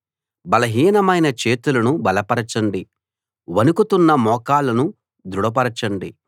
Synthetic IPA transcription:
bɐlɐɦiːnɐmɐjnɐt͡ʃe̞ːt̪ulɐnubɐlɐpɐɾɐt͡ʃɐɳɖi | ʋɐnukut̪unːɐmɔːkaːlɐnu | d̪ɾuɽɐp̬ɐɾɐt͡ʃɐɳɖi

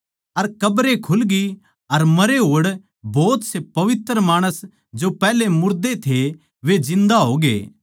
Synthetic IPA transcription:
ɐɾkɐbɾekʰʊlɡi | ɐɾmɐɾeɦoːɽ | bɔːt̪sepɐʋɪt̪ɾəmaːɽ̃əs | d͡ʒopɛːlemʊɾd̪et̪ʰe | ʋed͡ʒɪ̃nd̪aɦoːɡḛː

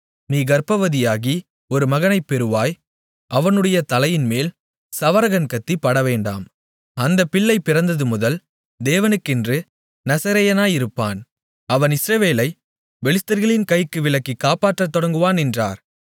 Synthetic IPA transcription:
niːɡɐɾpɐʋɐðɪjaːɣi | ɔɾɯmɐɣɐnɐɪpːɛɾɯʋaːj | ʔɐʋɐnɯɽɐjɐt̪ɐlɐjɪnmeːl | sɐʋɐɾɐɣɐnkɐt̪ːipːɐɽɐʋeːɳɖa̰ːm | ɐnd̪ɐpːɪɭːɐɪpːɪɾɐnd̪ɐðɯmʊðɐl | d̪eːʋɐnɯkːɪndrɯ | nɐsɐɾɐjɐnaːjɪɾɯpːaːn | ɐʋɐnɪsɾɐʋeːlɐɪ | ʋɛɭɪst̪ːɐɾɣɐɭɪnkɐɪkːɯʋɪlɐkːikːaːpaːʈrɐt̪ːɔɽɐŋɡɯʋaːnɛndra̰ːɾ

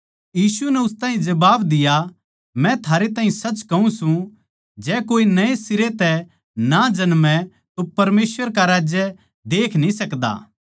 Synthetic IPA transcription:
jiːsunɛʊst̪aːɦĩd͡ʒɐbaːbd̪ɪja | mɛ̃t̪ʰaːɾet̪aːɦĩsɐt͡ʃkɐũsũ | d͡ʒɛːkoːinɐesɪɾet̪ɛ | nad͡ʒɐnmɛ̃ | t̪opɐɾmeːsʋəɾkaɾaːd͡ʒjɛ | d̪eːkʰnĩsɐkd̪a̰ː

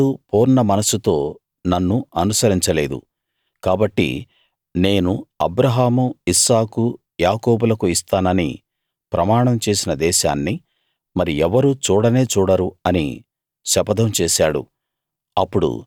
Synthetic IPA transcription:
upoːɾnɐmɐnɐsut̪o̞ː | nɐnːuɐnusɐɾiɲt͡ʃɐle̞ːd̪ṵ | kaːbɐʈːḭ | ne̞ːnuɐ̰bɾɐɦaːmuisaːku | jaːkoːbulɐkuist̪aːnɐnḭ | pɾɐmaːɳɐmt͡ʃe̞ːsinɐd̪ɛːʃa̰ːnːi | mɐɾiɛʋɐɾut͡ʃuːɽɐne̞ːt͡ʃuːɽɐɾuɐnḭ | ʃɐpɐd̪ʱɐmt͡ʃeːʃaːɽṵ | ɐpːuɽṵ

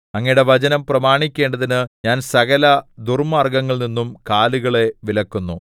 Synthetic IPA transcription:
ɐŋːɐjɽe̞ʋɐd͡ʑɐnɐmprɐmaːɳikʲːe̞ːɳɖɐðinɨɲaːnsɐɣɐlɐd̪urmaːrɡɐŋːɐɭninːumkaːluɣɐɭe̞ʋilɐkːunːu

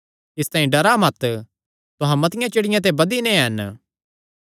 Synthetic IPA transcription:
ɪst̪aːĩɖɐɾamɐt̪ | t̪ʊɦãmɐt̪ɪjãt͡ʃɪɽɪjãt̪̬ebɐd̪inẽɦɐn

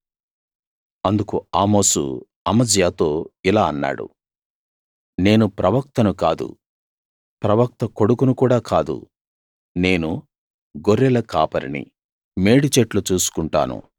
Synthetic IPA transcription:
ɐnd̪ukuaːmo̞ːsṵ | ɐmɐd͡ʒjaːt̪o̞ːilaːɐnːa̰ːɽṵ | ne̞ːnupɾɐʋɐk̚t̪ɐnukaːd̪ṵ | pɾɐʋɐk̚t̪ɐko̞ɽukunukuːɽaːkaːd̪ṵ | ne̞ːnu | ɡoɾːɛlɐkaːpɐɾḭnḭ | me̞ːɽit͡ʃeʈlut͡ʃuːsu̥kuɳʈa̰ːnṵ

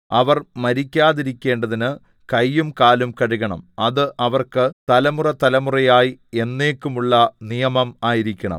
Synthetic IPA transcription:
ɐʋɐrmɐɾikʲːaːðiɾikʲːe̞ːɳɖɐðinɨ | kɐjːumkaːlumkɐɻiɣɐɳɐ̰mɐðɨʔɐʋɐrkɨt̪ɐlɐmurɐt̪ɐlɐmurɐjaːjie̞nːe̞ːkːumuɭːɐnijɐmɐmaːjiɾikʲːɐɳɐ̰m

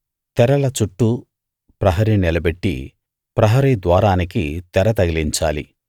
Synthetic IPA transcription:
t̪ɛɾɐlɐt͡ʃuʈːu | pɾɐɦɐɾinilɐbeʈːḭ | pɾɐɦɐɾid̪ʋaːɾaːnikit̪ɛɾɐt̪ɐɡiliɲt͡ʃa̰ːlḭ

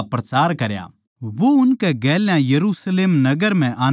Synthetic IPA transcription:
pɾɐt͡ʃaːɾkɐɾja̰ː | ʋoʊnkɛɡɛːljãjɐɾuːsleːmnɐɡəɾm̤ɛ̃ʔaː

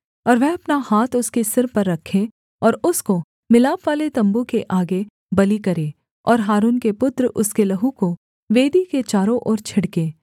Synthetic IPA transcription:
ɔːɾʋɛ̃ɐpnahaːt̪ʰʊskesɪɾpɐɾːɐkʰːẽ | ɔːɾʊsko | mɪlaːpʋaːlet̪ɐ̃mbukeʔaːɡe | bɐlikɐɾẽː | ɔːɾɦaːɾuːnkepʊt̪ɾʊskelɐɦũko | ʋeːd̪iket͡ʃaːɾõʔɔːɾt͡ʃʰɐɽkẽː

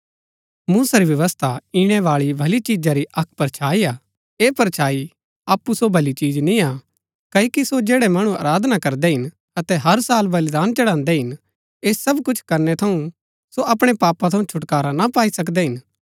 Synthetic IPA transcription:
muːsaɾiʋjɐʋəst̪ʰaiɽ̃ɛʋaːɭibʱɐlit͡ʃiːd͡ʒaɾiʔɐk̚ʰpɐɾt͡ʃʰaːiaː | eːpɐɾt͡ʃʰaːi | aːpːusobʱɐlit͡ʃiːd͡ʒnĩa | kɐikisod͡ʒeːɽɛmɐɽ̃ũɐ̰ːɾaːd̪ʱnakɐɾd̪ɛɦɪn | ɐt̪ɛɦɐɾsaːlbɐld̪aːnt͡ʃɐɽãːnd̪ɛɦɪn | eːssɐbkʊt͡ʃʰkɐɾnɛt̪ʰɐũ | soʔɐpɽ̃epaːpat̪ʰɐũt͡ʃʰʊʈkaːɾanapaːisɐk̬d̪ɛɦɪn

